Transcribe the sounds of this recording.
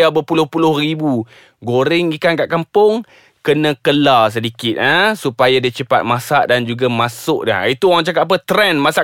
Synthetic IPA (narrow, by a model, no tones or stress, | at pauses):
abəpulʊhpulʊhribu | ɡoɾɪŋikankaʔkampʊŋ | kənə̃kəlas̬ədikɪt̪̚əsupajadit͡ʃəpa̰t̪̚masaʔdand͡ʒuɡamasʊk̚də̰it̪uwaaŋt͡ʃakat̪ap̬ət̪ɾɛnmasa